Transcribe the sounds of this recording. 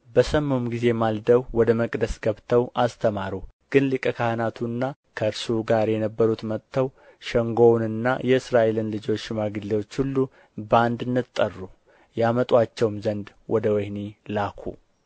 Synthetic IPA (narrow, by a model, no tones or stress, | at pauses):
bəsəmːumɡize̞mald̪əwwɔd̪əməkʼd̪əsɡəβt̪ʰəwʔast̪ʰəmaɾuɡ̥ɨnlɨkʼəkʰahɨnat̪ʰunːa | kʰəɨɾsuɡaɾjɛnəbːəɾut̪mət̪ʰːəw | ʃɛŋɡo̞wnɨnːa̰jɛɨsɾaʔelɨnlɨd͡ʒo̞t͡ʃːmaɡɨlːewo̞t͡ʃːhulːu | band̪ɨnːɨt̪ʼːərːu | jamət̪ʼwat͡ʃːɛwmzənd̪ | wʔɔd̪əwɛhnilakʰṵ